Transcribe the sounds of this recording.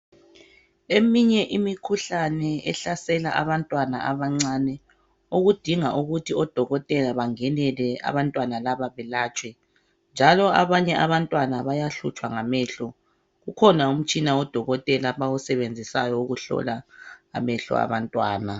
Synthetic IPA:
emiɲɛʔimikʰuɬanɛɛɬasɛla̰ʔa̰βantʼwana̰ʔaβaŋ͡ǀanɛ | oɣud̥ʱiŋaʔuɣutʰiɔd̥ʱɔɣɔtʼɛlaβaŋɛnɛlɛa̰βantʼwanalaβaβɛlaːt͡ʃʼwɛ | nd͡ʒʱalɔaβaɲɛʔaβantʼwanaβajaɬṵt͡ʃʼwaŋamɛɬɔ | ɣukʰɔnaum̩t͡ʃʼinaɔd̥ʱɔɣɔtʼɛlaβawusɛβend͡zʱisajɔuɣuɬɔ̰la̰ːmɛɬɔ̰a̰βantʼwa̰ːna

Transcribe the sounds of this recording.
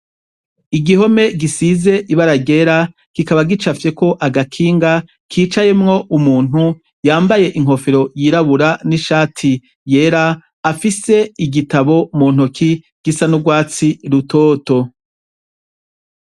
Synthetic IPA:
iɡiɦo̞me̞ɡisize̞ʔiβaɾaɟe̞ɾa | kikaβaɡit͡ʃafje̞ko̞ʔaɡakʰiːŋɡa | kʰiːt͡ʃaje̞mŋo̞ʔumuːn̥hu | jaːmbaje̞ʔiŋ̥ɦo̞feɾo̞jiːɾaβuɾaniʃaːtʰi | je̞ɾaː | fise̞iɡitaβo̞mun̥okʰi | ɡ̥isanuɡwaːt͡siɾutoːto̞

